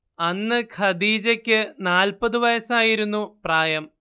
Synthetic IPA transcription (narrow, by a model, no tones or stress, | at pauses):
ɐnːɨkʰɐd̪iːd͡ʑɐkʲːɨnaːlpɐðɨʋɐjɐsɐaːjiɾunːupraːjɐm